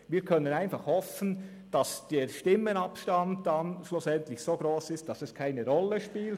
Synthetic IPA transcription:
viːkʰœnənaɪnfɑχhɔfən̩ | d̥ɑsd̥eːɾʃtɪmːənɑpʃtɑntd̥anʃluːsɛntlɪçsoːɡ̥ɾoːsɪst̚d̥ɑsɛskʰaɪnəɾɔləʃpiːlt

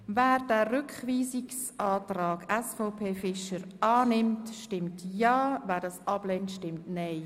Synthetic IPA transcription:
vɛːɾdɛːrʏkχviːsiks | aːtraːɡɛsfɔpʰeːfɪʃəɾɑːnɪmtʃtɪmtjɑːvɛːɾdɑːsʔɑb̥lɛntʃtɪmtnɛɪ

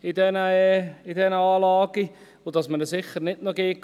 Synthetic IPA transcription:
idɛnəidɛnəɑːlɑːɡ̥i | odɑsmənəsɪχəɾnɪtnoɡeːk

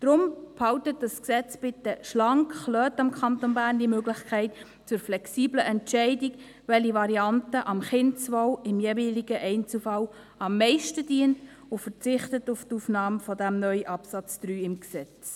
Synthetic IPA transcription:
d̥ɾʊmphɑwtət̚d̥ɑsksɛt͡sb̥ɪtːəʃlɑŋkχlœːtɑmkχɑntonbæːɾndimøɡlɪχkʰɛɪt | t͡sʊɾflɛksiːbləʔɛntt͡ʃɛɪdɪk | ʋɛliʋɑɾiɑntəʔɑmχɪnt͡sʋɔwɪmjeːviːliɡəʔɛɪnt͡slfɑl | ɑmːɛɪʃtəd̥iənt | ʊfərt͡sɪχtətʊftuːfnɑːmfɔdæmnœʏʔɑpsɑt͡sd̪̥ɾyːɪmksɛt͡s

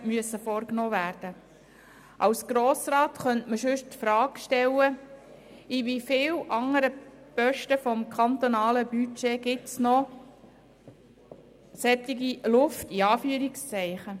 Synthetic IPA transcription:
myəsəfɔɾknɔːvæːɾd̥ə | ʔɑwsɡ̥ɾoːsrɑːt̪χœntməʃʏʃtfɾɑːkʃtɛlːə | iʋifɪːlʔɑŋəɾəpœʃtəfɔmkʰɑnt̪ɔnɑːləbyt͡ʃeːɡ̥ɪtsnɔ | sɛt̪ɪɡilʊftiɑːfyːəɾɪkst͡sɛɪχə

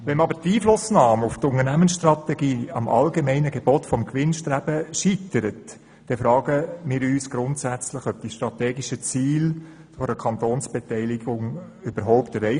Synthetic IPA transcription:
ʋɛnɑbəɾtiːflʊsnɑːmʊft̪ʊŋənæmənsʃtɾɑt̪ɛɡ̥iːɑ̰mʔɑ̰lɡemɛɪnəɡeb̥otfɔmkʋɪnʃtɾæb̥əʃitəɾət | d̥ɛfɾɑːɡəmɪːɾyːsɡ̥ɾʊntsæt͡slɪχœb̥̚d̥iʃtɾɑtɛːɡiʃət͡siːl | fɔɾəkʰɑnt̪oːnsb̥ɛtɛɪlɪɡʊŋ | ʏb̥əɾɦɔʊptɛɾɛɪ

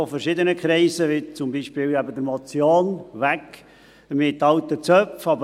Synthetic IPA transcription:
ɔfəɾʃɪd̪ənəkʰɾɛɪsəʋɪt͡sʊmbiːʃpɪːlɛbəd̪əɾmɔt͡sjoːnʋæk | mɪt̪ːɑwt̪ət͡sœfɑbə

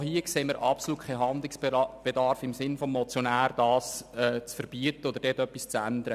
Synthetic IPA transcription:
hiəkseːməɾʔɑpsoluːtkʰɛjɦɑnd̪lɪksb̥ed̪ɑɾfɪmsɪnfɔmːɔt͡sjonæːɾd̥ɑːsɛːt͡sfəɾb̥iət̪ːəod̪əɾdɛːtœpːist͡sænd̪əɾə

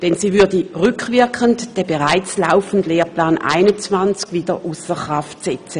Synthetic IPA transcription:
d̥ɛnsiːvʏɐdəʁʏkʰvɪɐkʰəntd̥ɛbeʁaɪt͡slaʊfən̩dleːɐpʰlaːnʔa̰ɪnʊnt͡svant͡skviːd̥əʔusəχʁaftsɛt͡sə

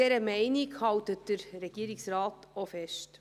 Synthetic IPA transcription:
ɛɾəmɛɪnikhɑwtət̚d̥əɾɾɛɡ̥iəɾiksrɑːtofɛʃt

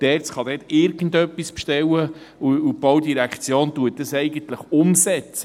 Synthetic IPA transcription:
d̥ɛt͡sχɑdɛtɪɾɡən̩dœpːispʃtɛwːə | uub̥owdiɾækχt͡sjoːntuət̚d̥əsɛɪɡən̩t̪ləχʊmsɛt͡sə

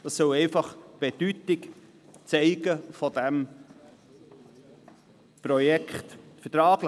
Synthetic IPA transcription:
d̥ɑsːœlɛɪfɑχb̥ed̥ytɪk | t͡sɛɪɡəfɔd̥ɛm | pɾɔjɛkχtfətɾaːɡ̥l

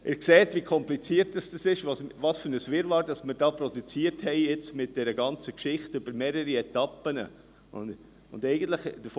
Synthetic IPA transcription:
ʔɪːɾkseːtvikʰɔmplit͡siətdɑsd̥ɑsɪʃʋɑsʋɑːsfʏnəsʋɪɾʋɑːɾdɑsmɪɾdɑːprɔdut͡siːəɾthɛɪɪt͡smɪt̚d̥ɛɾəɡɑnt͡səkʃɪχtʏb̥əɾmeːɾəɾiɛtɑpənə | ʊ̰n | ʊndɛɪɡən̩tləχd̥əf

